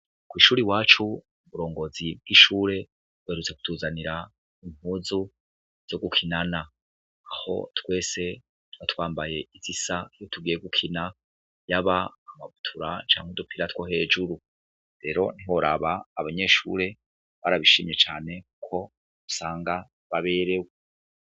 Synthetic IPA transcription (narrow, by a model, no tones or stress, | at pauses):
kwiːʃuːɾiwaːt͡ʃu | uβuɾo̞ːŋɡo̞zib̚ɡiʃuːɾe̞ | bweːɾut͡se̞ku̥tʰuːzaniɾa | imuːzu | z̥o̞ɡukʰinanaː | ho̞̰twe̞ːse̞ | twat̪waːmbaje̞izisajotʰuɡijeɡukʰina | jaβaːmaβutʰuɾat͡ʃa̰ːŋ̥udupʰiɾatwohe̞ːd͡ʒuɾu | ɾe̞ɾo̞niho̞ɾaβaːβaɲe̞ːʃṵːɾe̞ | βaɾaβiʃiːmje̞t͡ʃaːne̞kukʰo̞ | usaːŋɡa | βaβe̞ɾe̞we